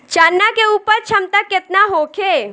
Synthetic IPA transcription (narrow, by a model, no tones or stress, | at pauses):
t͡ʃaːnːakeuːpəɾt͡ʃʰɐmt̪akːɪt̪naɦoːkʰe